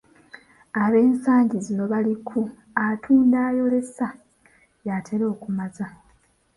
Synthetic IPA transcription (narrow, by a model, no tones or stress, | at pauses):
aβe̞ːnsaːɲɟizino̞βalikʰu | atʰuːndaːjo̞le̞sa | jatʰeɾo̞ːkumaza